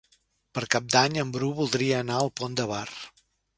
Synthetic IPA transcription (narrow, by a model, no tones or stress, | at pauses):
pəɾkap̚d̪aɲəmbɾuβulˠd̪ɾiəːnaəlˠpond̪əβar